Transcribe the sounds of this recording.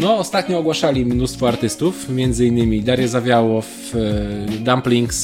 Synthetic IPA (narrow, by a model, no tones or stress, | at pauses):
nɔːst̪at̪ɲɔɔɡwaʂalʲimnust̪fɔaɾt̪ɘst̪ufmʲjɛnd̪zɘinːɘmʲid̪aɾjɛzavʲjawɔf | d̪amplʲiŋks